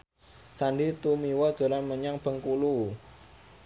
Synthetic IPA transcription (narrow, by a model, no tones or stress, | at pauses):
sanɖit̪umiwɔd̥ʒ̥o̤lanməɲaŋb̥ə̤ŋkulu